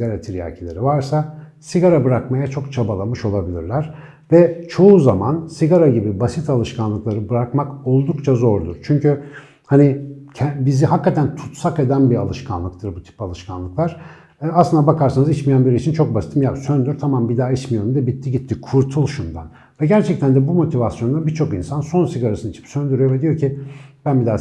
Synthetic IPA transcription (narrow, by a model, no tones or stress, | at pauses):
aɾat̪ʰiɾja̰cʰelʲe̞ɾivaɾsasiɡaɾabɯɾakmajat͡ʃʰo̞kt͡ʃʰabalˠamɯʃo̞lˠabilʲiɾlʲæɾ̥ | vɛt͡ʃʰo̞uzamansiɡaɾaɟibibasit̪ʰalˠɯʃkʰanlˠɯklˠaɾɯbɯɾakmako̞lˠd̪ukt͡ʃʰazo̞ɾd̪uɾ̥t͡ʃʰyɲcy | hanicʰɛbiziɦakːat̪ʰænt̪ʰu̥t̪sake̞d̪ænbialˠɯʃkʰa̰nlˠɯkt̪ʰɯɾbut̪ʰi̥palˠɯʃkʰanlˠɯklˠaɾ̥ | aslˠɯnd̪abakʰaɾsanɯzit͡ʃmijænbiɾiit͡ʃʰint͡ʃʰo̞k̚basi̥t̪ʰimjasønd̪yɾt̪ʰamambid̪aːit͡ʃmijo̞ɾumd̪ɛbit̪ʰːiɟit̪ʰːikʰuɾt̪ʰulˠʃund̪a̰n | vɛɟæɾt͡ʃʰɛc̚t̪ʰænd̪ɛbumo̞t̪ʰivasjo̞nd̪abit͡ʃʰo̞kinsanso̞nsiɡaɾasɯnit͡ʃʰi̥psønd̪yɾyjovɛd̪ijo̞ɾcʰib̥ænbid̪aː